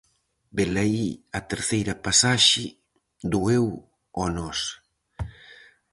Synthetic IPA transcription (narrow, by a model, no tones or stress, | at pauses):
belaiɐt̪eɾθejɾɐpasaʃɪ | d̪uew | ɔnɔs